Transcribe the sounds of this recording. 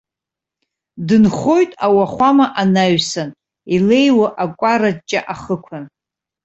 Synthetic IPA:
dɨnχo̞jtʼawaχʷamaʔanaɥsan | ile̞jwaʔakʷʼarat͡ʃʼa̰ʔaχəkʷʰan

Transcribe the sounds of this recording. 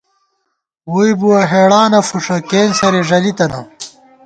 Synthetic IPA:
wuibuwɐɦeːɽaːnɐfuʂɐkeːnsɐɾeʐɐlit̪ɐnɐ̰

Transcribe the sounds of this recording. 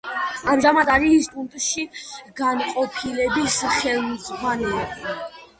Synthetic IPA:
amʒamad̪aɾist̪ʼunt̪ʼʃiɡanqʼɔpʰilɛbisχɛlˠmd̪zʁwanɛb

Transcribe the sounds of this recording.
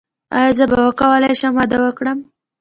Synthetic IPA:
a̰jazəbawəkawəlajʃəmwɑd̪awəkɽəm

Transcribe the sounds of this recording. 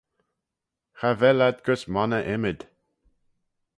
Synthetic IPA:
xavɛlad̪ɡəsmanəʔɛmɪd̪̥

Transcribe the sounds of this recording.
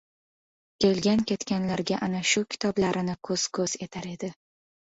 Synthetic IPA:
kʲe̞lɡʲankʲe̞t̪kʲanlaɾɡʲaʔanaʃʊkʲʰɪ̥t̪ʰɒblaɾɪnɪkʰɵz̥kʰɵz̥e̞t̪ʰaɾe̞d̪ɪ

